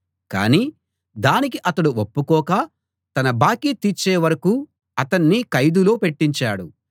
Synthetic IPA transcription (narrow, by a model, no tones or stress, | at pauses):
ka̰ːniː | d̪aːnik̬iʔɐt̪ɐɽuopːukɔːka | t̪ɐnɐbaːkiːt̪it͡ʃːeːʋɐɾɐkuː | ɐt̪ɐnːikɐjd̪ulo̞ːpe̞ʈːiɲt͡ʃaːɽu